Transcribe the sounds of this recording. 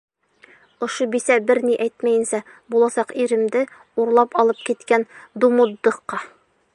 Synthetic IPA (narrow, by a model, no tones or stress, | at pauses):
ŏʃobisæbɘɾniʔæjt̪mæjɘ̆nsæ | bulˠɑsɑqiɾɘ̆md̪ɘ | uɾlˠɑpɒlˠɤp̚kit̪kænd̪umud̪ːɤ̆qːɑ